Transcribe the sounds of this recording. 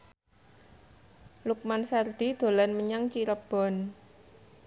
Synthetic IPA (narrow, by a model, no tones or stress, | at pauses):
luk̚mansard̪̥i̤d̪̥o̤lanməɲaŋt͡ʃiɾəb̥ɔ̤n